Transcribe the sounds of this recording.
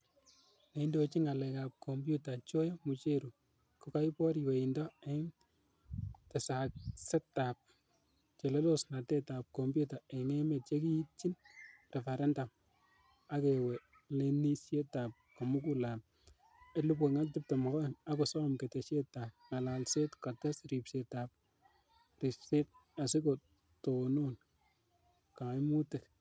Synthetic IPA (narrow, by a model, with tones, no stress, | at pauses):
ne˨indot͡ʃi˦ŋa˨lɛka˨p̚kʰombju˦ta˨t͡ʃo˦jo˦mu˨t͡ʃe˦ɾu˨ | kuka˦ipɔ˦ɾiweindɔ˦ɛ˦ŋ | tɛ˨sak̚sɛ˦ta˨p̚ | t͡ʃe˨le˦lo˦sna˨te˦ta˨p̚ko˨mbju˦ta˨eŋe˦me˨t̚t͡ʃe˦ki˦ji˦t̚t͡ʃi˦nre˨fa˨ɾɛ˦nda˨m | a˦ke˨we˨ | le˦ni˦sje˦ta˨p̚ka˨mu˦k̬ula˨m | e˨lu˦p̬e˨ŋa˦ltɪ˦p̚te˨mɔ˨kɔ˦a˦ko˨sɔ˦mke˨te˨ʃe˦ta˨p̚ŋa˨lalse˦tka˨ta˦sɾi˨pse˨ta˨p̚ | ri˨pse˦t̚a˨sɪ˦ko˨ | to˨nu˦n | ka˨˦jmu˦te˨k